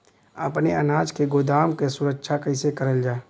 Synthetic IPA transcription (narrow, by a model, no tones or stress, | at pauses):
ɐpneɐnaːd͡ʒkeɡod̪aːmkesʊɾəkʃʰakɐɪsekɐɾəld͡ʒaː